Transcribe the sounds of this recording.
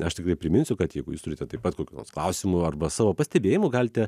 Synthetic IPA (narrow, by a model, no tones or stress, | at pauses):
ɐʃt̪ʲɪkrɐɪpʲɾʲɪmʲɪnʲsʲʊkɐt̪jɛɪɡʊjuːst̪ʊɾʲɪt̪ʲɛt̪ɐɪpɐt̪koːkʲuːno̰rsklˠɐʊsʲɪmʊɐrbɐsɑːʋoːpɐsʲt̪ʲɛbʲeːjɪmʊɡɐlʲt̪ʲɛ